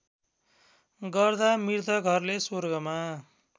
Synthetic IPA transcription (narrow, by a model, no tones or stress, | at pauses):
ɡʌrd̪amirt̪ʰʌɡʱʌrlesorɡʌma